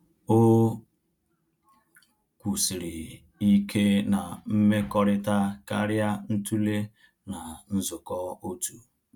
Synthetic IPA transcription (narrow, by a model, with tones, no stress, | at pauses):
o˦ | kʷu˨si˨ɾɪ˨ | i˦kʰe˦na˨m̩˦me˦kɔ˦ɾɪ˦ta˦ka̰˦ɾja˦n̩˦tu˦le˦ | na˨n̩˦zʊ˨kɔ˦o˦tu˨